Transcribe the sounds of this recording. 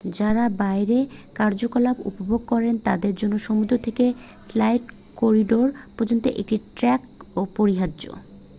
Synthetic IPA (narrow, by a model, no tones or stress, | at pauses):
d͡ʑaɾabaeɾekaɾd͡ʑokolabṵpobʱoɡ̚kɔɾent̪a̰d̪eɾd͡ʑonːoʃomud̪ʱɾot̪ʰeke | flajʈ | koɾiɖoɾpɔɾd͡ʑont̪oʔḛk̚ʈiʈɾɛk̚opoɾiɦadːd͡ʑo̰